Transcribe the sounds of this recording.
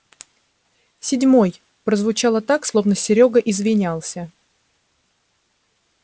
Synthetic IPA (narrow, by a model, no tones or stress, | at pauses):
sʲɪdʲmo̞j | pɾəzvʊt͡ɕalˠət̪akslˠo̞vnəɪɾʲo̞ɡəʔɪzvʲɪnʲalˠsʲə